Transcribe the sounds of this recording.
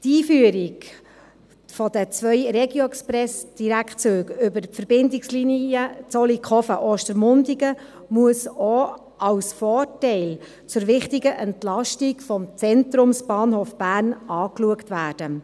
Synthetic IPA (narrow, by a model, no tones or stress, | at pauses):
tiːfyəɾiɡ | fɔd̥̪ət͡sʋœʏɾɛɡjoɛkspɾɛsd̥iɾækt͡søːɡʏbəɾfəɾb̥ɪndɪksliniət͡sɔlikχɔfəʔoːʃtəɾmʊndiɡə | muəso | ɑwsfɔːrtɛɪl | t͡sʊɾʋɪχtiɡəʔɛntlɑʃtikfɔmt͡sɛnt̪ɾʊmsb̥ɑːnhoːfb̥æːrnɑːkluəktʋæːd̥ə